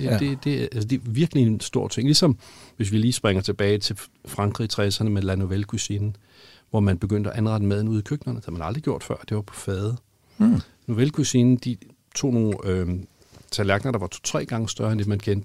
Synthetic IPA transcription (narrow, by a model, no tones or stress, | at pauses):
e̝d̥e̝æælsəd̥e̝ʋiɐɡ̥əliensd̥o̝ɐ̰t͡sʰe̝ŋlisɒ̽mʋe̝s̬ʋiliːsb̥ʁɛŋɐt͡sʰe̝b̥ɛːɪt͡sʰe̝lfʁɑ̈ŋɡ̥ʁit͡sʰʁɛsɐnəmelænoʋelkʰusinn̩ | ʋɒmænb̥e̝ɡ̥øn̰d̥əæʔænʁɑ̈d̥əmæðˠn̩uð̰ˠikʰøɡ̥̚nɐnə̥e̥hæð̩ˠmænɑ̈ld̥ʁiɡ̥jo̝ɐ̰d̥fɶɐ̰d̥e̝ʋɑ̈pʰɒ̥̽fɛːðˠ | noʋelkʰusiːnn̩d̥i | t͡sʰo̝̰ːno̝ːø | t͡sʰælæɐɡ̥nɐɾ̥ɑ̈ʋɑ̈t͡sʰo̥t͡sʰʁɛ̰ːɡ̥ɑ̈ŋəsd̥ɶɐend̥e̝mænkʰend̥